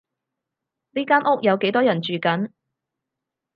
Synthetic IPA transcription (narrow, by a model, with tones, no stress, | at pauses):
niː˥kaː˥nʔʊ˥k̚jɐ˨˧wke˨˥jt̪ɔː˥jɐ˨˩nt͡ʃyː˨kɐ˨˥n